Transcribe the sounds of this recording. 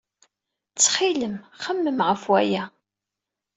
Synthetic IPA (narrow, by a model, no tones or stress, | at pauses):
t͡sːχiləmχəmːəmʁəfwæjæ